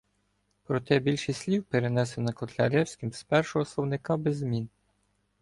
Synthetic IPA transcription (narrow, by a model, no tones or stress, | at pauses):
pɾɔt̪ɛbʲilʲʃisʲlʲiwpeɾenɛsenɐkɔt̪lʲɐ̰ɾʲɛwsʲkʲimspɛrʃɔɦɔslˠɔwnɪkɑbezmʲin